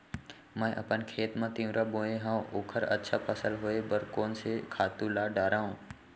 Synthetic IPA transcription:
mə̃ʔɐ̰pənkʰeːt̪mãt̪ĩʋ̃ɾʔabõːẽɦãːoːkʰəɾə̰tːʃʰapʰəsəlɦoebəɾkoːnsekʰaːt̪ulaːɖaːɾãːɦũː

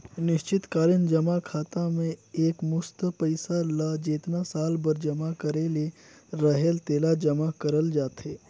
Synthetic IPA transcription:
nɪʃt͡ʃɪt̪kaːɾənd͡ʒəmakʰaːt̪amẽeːkmʊst̪pəɪsalad͡ʒeːt̪nasaːlbəɾd͡ʒəmakəɾeːle | ɾəɦelt̪eːlad͡ʒəmakəɾəld͡ʒaːt̪ɦeː

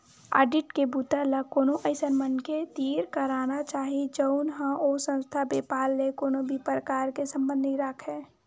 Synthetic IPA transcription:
a̰ːɖɪʈkebuːt̪əlakoːnoʔəɪsənmənket̪iːɾkəɾaːnat͡ʃaːɦid͡ʒəʊnɦə̃osə̃nst̪ʰabeːpaːlːekoːnobʱipɾəkaːɾkesə̃mbə̃nd̪ʱiɾəkʰɦɛː

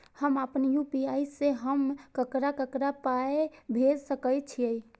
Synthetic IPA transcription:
həmapənjupiajseɦəmkəkɾakəkɾapaebʱed͡ʒsəkəjt͡ʃʰiəj

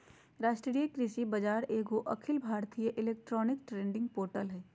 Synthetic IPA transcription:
ɾaːʃʈɾɾijekɾɪsibɐd͡ʒaːɾeːɡoʔɐkʰɪlbʱaːɾt̪ʰijeʔɪleːk̚ʈɾɔːnɪk̚ʈɾẽːɳɖɪ̃ŋɡ̚poːɾʈəlɦɛː

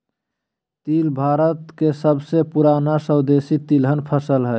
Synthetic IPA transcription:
t̪ilbʱaːɾət̪kesəbsepuɾanasəwd̪esit̪ilɦənpʰəsəlɦɛ

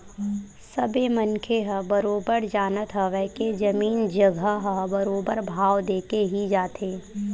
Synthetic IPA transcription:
sɐbemɐnkʰeɦəbɐɾoːbəɾd͡ʒaːnət̪ɦəʋɛːked͡ʒɐmiːnd͡ʒɐɡʱəɦəbɐɾoːbəɾbʱaːwd̪eːkeɦid͡ʒaːt̪ʰeː

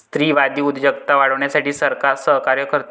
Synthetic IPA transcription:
st̪ɾiːʋad̪iːud̪d͡ʑjəkt̪aʋaɽəʋɳjasaʈiːsəɾkaɾsəɦkaɾjəkəɾt̪

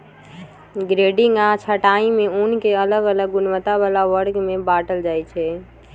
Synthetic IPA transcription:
ɡɾeɖiŋɡat͡ʃʰəʈaĩmeunkeələɡələɡːunmət̪aβalaʋəɾɡmebaʈəld͡ʒajt͡ʃʰɛ

